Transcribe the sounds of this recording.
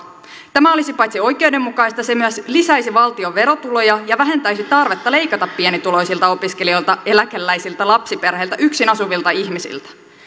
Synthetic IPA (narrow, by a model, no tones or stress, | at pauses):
t̪æmæo̞lisipɑjt̪sio̞jke̞wde̞mːukɑjst̪ɑse̞myæslisæjsiʋɑlt̪io̞ʋʋe̞ɾo̞t̪ulo̞jɑjɑʋæɦe̞nt̪æjsit̪ɑrʋe̞t̪ːɑle̞jkɑt̪ɑpːienit̪ulo̞jsilt̪ɑo̞piske̞lio̞jlt̪ɑe̞lækelːæjsilt̪ælɑpsipe̞rheilt̪æʔyksinɑsuʋilt̪ɑiçmisḭlt̪æ̥